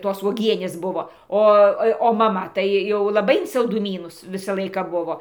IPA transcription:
ˈtoːs uɔˈɡʲiɛnʲeːs ˈbʊʋoː ˈoː ˈoː jɛʊ oː mɐˈmɐ tɐɪ ˈjɛʊ lˠɐˈbɐɪ ɪn sɐlˠdʊˈmʲiːnʊs ˈʋʲɪsɐ ˈlˠɐɪkɑː ˈbʊʋoː

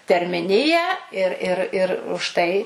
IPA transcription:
tʲɛrʲmʲɪˈnʲɪjæː ɪr ɪr ˈɪr ʊʃ ˈtɐɪ

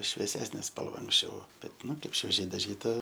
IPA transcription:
ʃʲʋʲiɛˈsʲæːsʲnʲeː ˈspɐlˠʋɐ ɐŋksʲˈt͡ʃʲɛʊ bʲɛt ˈnʊ ˈkɐɪp ʃʲʋʲiɛˈʒʲɛɪ dɐˈʒʲiːtɐ

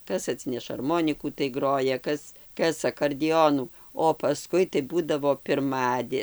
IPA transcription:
ˈkɐs ɐˈtʲsʲɪnʲɛʃɐ ɐrˈmoːnʲɪkuː tɐɪ ˈɡroːjɛ ˈkɐs ˈkɐs ɐkoːrʲdʲɪˈoːnuː oː pɐˈskʊɪ tɐɪ ˈbuːdɐʋoː pʲɪrˈmɑːdʲeː

